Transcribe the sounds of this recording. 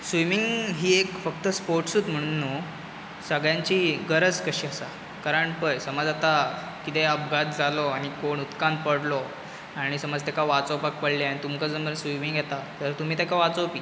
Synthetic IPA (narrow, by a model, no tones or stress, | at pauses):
sʋimiŋɡɦiːekfək̚t̪əspoɾʈsuːd̪m̤əɽ̃unːu | səɡɭjãɲt͡ɕiːɡəɾəd͡zkəɕiːəsa | kaɾəɳpəjsəməd͡zat̪a | kit̪eəp̚ɡʱat̪̚d͡zalɔaɽ̃ikoɳut̪kand̪̚pəɽlɔ | aɽ̃isəməd͡zt̪akaʋat͡sopak̚pəɽlianit̪umkəd͡zəmbənsʋimiŋɡjɛt̪at̪əɾt̪um̤iːt̪ekaʋat͡sowpiː